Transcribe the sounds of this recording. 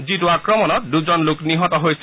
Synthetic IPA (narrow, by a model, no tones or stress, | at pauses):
zitʊakɹɔmɔnɔt̚duzɔnlʊkniɦɔtɔɦojs